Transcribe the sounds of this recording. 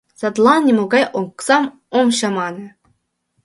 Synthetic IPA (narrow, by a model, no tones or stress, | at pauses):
sɑd̪lˠɑnnʲemoɡɑjoŋksɑm | omɕɑmɑnɤ̆